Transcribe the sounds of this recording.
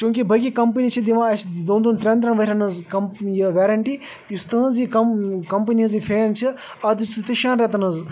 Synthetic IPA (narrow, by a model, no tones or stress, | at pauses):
t͡ʃũːŋkibʱɐkikɐmpɐniːt͡ʃʰid̪iʋãːɐsd̪õːnd̪oːnt̪ɾʲɐ̃nd̪ɾɐnʋɐɾʲɐnɐzkɐmjɐʋʲeːɾɐɳʈiː | ust̪ə̃ːzikɐkɐmpəniɐzifʰeːnt͡ʃʰi | ɐd̪st̪t̪iʃaːnɾet̪ɐnɐz